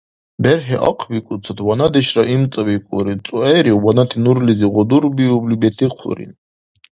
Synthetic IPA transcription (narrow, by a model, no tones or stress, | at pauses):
bɛɾɦɛʔa̰qʰvikʼut͡sʰat̪ʰwanad̪ɛʃɾaʔimt͡s̪ʼvikʼṵɾit͡s̪ʼuɛɾiwanat̪ʰinuɾliziʁɔd̪uɾbiublibɛt̪ʰiqʰṵɾḭn